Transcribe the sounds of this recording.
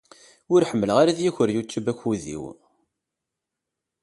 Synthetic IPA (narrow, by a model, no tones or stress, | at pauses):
ʊɾħəmːəlʁaɾaðjiçəɾjut͡sːubæçuðḭw